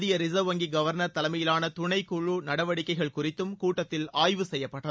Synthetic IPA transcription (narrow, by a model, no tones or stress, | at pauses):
ðɪjɐɾɪzɐʋɐŋɡiɡɐʋɐɾnɐɾt̪ɐlɐmɐjɪlaːnɐt̪ʊɳɐɪkːuɭunɐɽɐʋɐɽɪkːɐɪɣɐɭkʊrɪt̪ːɯmkuːʈːɐt̪ːɪlaːjʋɯsɛjːɐpːɐʈːɐ